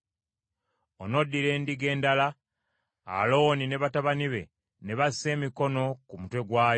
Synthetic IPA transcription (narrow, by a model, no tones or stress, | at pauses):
ono̞dːiɾe̞ːndiɡe̞ːndala | a̰lo̞nine̞βataβaniβe̞̰ | ne̞βasise̞ːmiko̞no̞kumutwe̞ɡwaːjo